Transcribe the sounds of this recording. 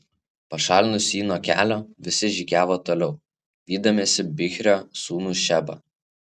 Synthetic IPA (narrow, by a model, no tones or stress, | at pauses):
pɐʃɑːlʲnʊsʲiːnoːkʲæ̰ːlʲoːʋʲɪsʲɪʒʲikʲæːʋoːt̪oːlʲɛʊ | ʋʲiːd̪ɐmʲeːsʲɪbʲɪxʲɾʲoːsuːnuːʃʲæbɐ̰